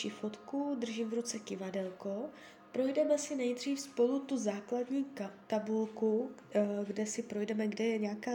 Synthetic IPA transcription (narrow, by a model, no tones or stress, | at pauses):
ʃifot̪kudr̩ʒiːmvɾut͡sɛcɪvadɛlko | pɾo̞jdɛmɛsɪnɛjdr̝iːfspo̞lut̪uzaːkladɲiːt̪abulku | ɡdɛsɪpɾo̞jdɛmɛɡdɛjɛɲɛaːkaː